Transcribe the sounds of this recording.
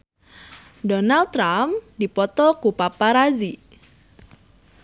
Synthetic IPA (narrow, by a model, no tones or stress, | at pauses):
dɔnal̚ɾamdipɔt̪ɔkupapaɾazi